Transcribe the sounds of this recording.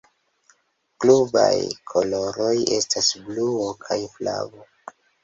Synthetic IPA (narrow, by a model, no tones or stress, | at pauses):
kluba̰jkʰo̞lo̞ɾo̞je̞stasbluokʰajfla̰vo̞